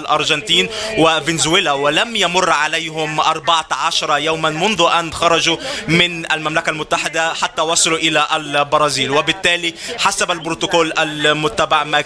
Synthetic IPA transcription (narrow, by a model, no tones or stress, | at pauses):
lʔɑɾˤʒant̪iːnwɪvɪnɪzwɪlawɪlamjamʊrˤːʕalajɦʊmʔɑɾˤbɑʕaʕaʃɑɾˤɑjaːmanmʊnðʊʔanxɑɾˤɑd͡ʒumɪnalmamlakalmʊt̪ːaħɪd̪aħat̪ːaːwɑsˤɑluʔɪlaʔalbɑɾˤɑːziːlwɪbɪt̪ːæːliħasabalbɾʊt̪ʊkoːlʔalmʊt̪ːabaʕma